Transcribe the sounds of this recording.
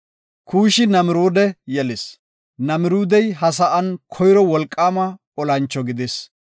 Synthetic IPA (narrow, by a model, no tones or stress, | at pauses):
kʰuːʃɪnɐmɪɾoːd̪ɛjɛlɪs | nɐmɪɾuːd̪ɛjɦɐs̬ɐʔɐnkʰɔjɾɔwɔlkʼːaːmɐkʼɔlɐnt͡ʃːɔɡɪd̪es